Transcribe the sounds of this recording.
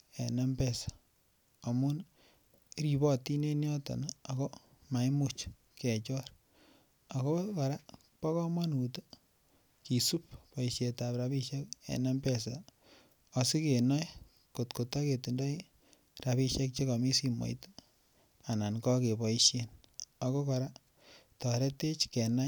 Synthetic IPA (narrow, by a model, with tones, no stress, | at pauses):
e˨nɛ˦mpe˦sḁ | o˨mu˦n | ɾi˨bɔ˦ti˦ne˦njɔ˦ta̰˨naa˨ko˦ | ma˨i˦mu˦t͡ʃ | ke˨t͡ʃɔ˦ɾ | a˨ko˦ka˨ɾa˦ | pa˦kɔ˦mwa˦nu˨t | ki˨su˦p̚pɔ˨iʃje˨ta˨pɾa˦pi˦ʃe˦k̚ḛ˨na˦mpɛ˦sa | ɔ˨si˦ke˨nɔ˦j | ko˨tko˨ta˦ke˨tu˨ndɔ˦i | rapi˦ʃe˦k̚t͡ʃe˦ka˨mi˦si˦mɔ̰˨jt | a˨na˨nkɔ˦ke˨pɔ˨i˦ʃje˦na˨ko˦kɔ˨ɾa˦ | tɔ˨ɾe˦te˦t͡ʃke˨na˦